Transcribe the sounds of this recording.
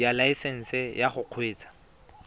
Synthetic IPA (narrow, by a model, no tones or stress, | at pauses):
jalaisɛn̩sɪjaχʊq͡χʰweːt͡sḁ